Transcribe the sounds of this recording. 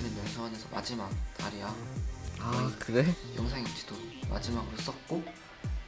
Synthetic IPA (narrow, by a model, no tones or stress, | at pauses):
ɯnɯnjʌŋsʰuwʌnesʰʌmʔa̰d͡ʑimak̚taɾijaakɯdejʌŋsʰaŋind͡ʑidoma̰d͡ʑimaɡɯɾos͈ʌt̚k͈o